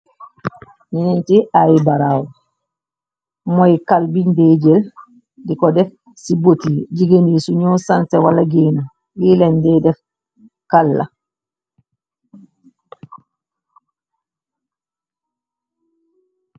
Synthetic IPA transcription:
ninintiajibaɾaːwɔ | mɔjkalbinded͡ʒɛl | dikɔdɛf | sibotid͡ʒiɡenisuɲɔːsantɛwalaɡeːnu | wilɛndɛdɛf | kalːa̰

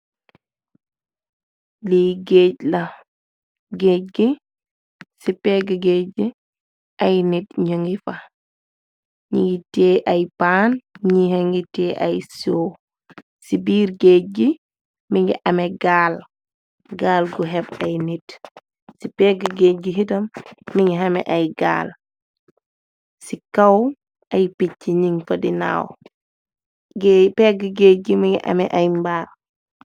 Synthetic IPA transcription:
liɡeclɐ | ɡeːc̚ɡi | sipɛːɡəɡeːi | ʔajnitɲɔŋɡifa | ɲiŋɡitɛːʔajpaːnɲihɛŋɡitɛːʔa̰jsoː | sibiːɾɡeːɡi | miŋɡɛ̰ʔamɛɡaːl | ɡaːlɡuɦɛbajnit | sipɛɡɡeɡiɦitɐmːiŋɡiɦamɛ̰ʔajɡa̰ːl | sikaw | ʔajpicːiɲiŋfɐdina̰ːw | ɡpɛɡɡeːɡimiŋɡiʔa̰mɛʔajmbaːl

